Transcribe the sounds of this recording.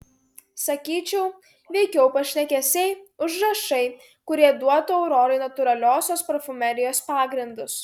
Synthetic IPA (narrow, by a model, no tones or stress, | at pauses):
sɐkʲiːt͡ʃʲɛʊ | ʋʲɛɪkʲɛʊpɐʃʲnʲɛkʲɛsʲɛɪʊʒɾɐʃɐɪ | kʊɾʲiɛd̪uɔt̪uːɛʊɾɔːɾɐɪnɐt̪ʊɾɐlʲoːsʲoːspɾɐfʊmʲɛɾʲɪjoːspɑːɡɾʲɪnd̪ʊs